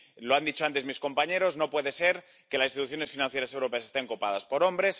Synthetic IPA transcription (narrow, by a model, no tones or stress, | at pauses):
loand̪it͡ʃo̞ant̪e̞zmisko̞mpaɲe̞ɾo̞zno̞pwe̞ðe̞se̞ɾ | kelasinsit̪uθjo̞ne̞sfinãnθje̞ɾase̞wɾo̞pe̞asest̪e̞ŋkopaðaspo̞ɾo̞mbɾe̞s